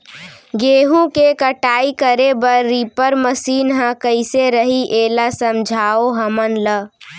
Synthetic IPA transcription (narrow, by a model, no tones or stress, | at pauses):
ɡeɦũkekəʈaikəɾebəɾːipəɾməsinɦə̃kəɪseɾəɦiʔelasəmd͡ʒʱaoɦəmənlə